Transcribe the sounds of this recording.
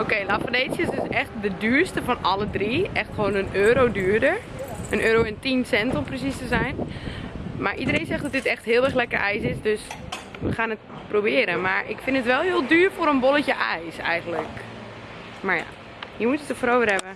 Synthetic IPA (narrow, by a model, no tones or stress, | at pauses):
okeːlafədeːsjəsɪsɛxt̚dədyːɹstəfɔnɔlədriʔɛxtxəʋoːnənøːɾowdyːɹdəɹ | ʔənʔøːɾoɛntinsɛntomprəsistəzɛjn | maɹʔidərẽjnsɛxdɔt̚dɪtɛxthɪːlˠɛrxlɛkərʔɛjsɪsdøs | ʋəxaːnət | probɪəɾəmaɹɪkfɪnətʋɛlˠhɪəlˠdyːɹfoːɾənboləcəʔɛjsɛ̰jɣəntlək | maɹja̰ː | hiːɹmutjətəfrowʋərhɛbə